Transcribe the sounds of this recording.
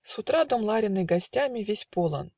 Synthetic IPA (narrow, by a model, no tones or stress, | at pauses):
sut̪ɾad̪omlˠaɾʲɪnːɨjɡɐsʲtʲamʲivʲesʲpolˠɤ̰n